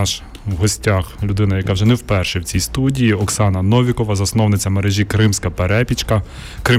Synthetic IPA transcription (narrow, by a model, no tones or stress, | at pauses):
ʃ | wɦɔsʲtʲaxlʲʊd̪ɪnɐjɐkɑwʒɛnɛwpɛrʃɛwt͡sʲijst̪udʲijiɔksɑnɐnɔʋʲikɔʋɐzɐsnɔwnɪt͡sʲɐmeɾɛʒʲikɾɪmsʲkɐpeɾɛpʲit͡ʃkɐ | kɾɪ